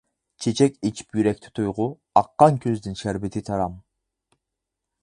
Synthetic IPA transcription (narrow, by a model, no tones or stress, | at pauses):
t͡ʃʰet͡ʃʰɛkʲit͡ʃʰi̥pjyɾɛk̚ʲt̪ʰɪ̥t̪ʰujʁʊ | ɑqːɑŋkʲʰøzd̪ɪnʃæɾbɪt̪ʰɪt̪ʰɑɾɑm